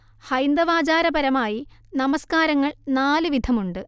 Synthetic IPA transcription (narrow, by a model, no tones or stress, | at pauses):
hɐjnd̪ɐʋaːd͡ʑaːɾɐbɐɾɐmaːjinɐmɐskaːɾɐŋːɐɭnaːlɨʋid̪ʱɐmuɳɖɨ